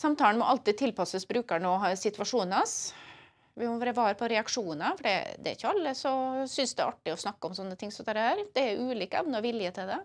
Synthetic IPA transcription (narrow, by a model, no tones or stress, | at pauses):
sɑmt̪ɑːləɳmɔ̰ʔɑlt̪ɪd̪̚t̪ʰɪlpʰɑsəsbɾʉːkəɳoːsɪt̪ʋɑʂuːnɑs | ʋɪɔʋɑːɾəʋɑːɾpʰɔɾɛɑkʂuːnɑfɔɖɛd̪ɛ̰ːɾɪçːəɑlːəsɔsʏnsd̪ɛæɾʔɑʈːɪɔsnɑkːəɔmsɔnːət̪ʰɪŋsɔd̪æɾəhæːɾd̪̥ɛæɾʉːliːkːəɑ̰b̪noːʋɪljət̪ʰɪld̪ɛ